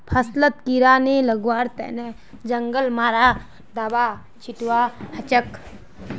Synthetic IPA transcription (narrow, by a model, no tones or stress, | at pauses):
pʰɐslət̪̚kiɾaːneləɡwaːɾt̪ɛ̰nɛ | d͡ʒəŋɡəlmaːɾaː | d̪abaː | t͡ʃʰiʈuwahɐt͡ʃək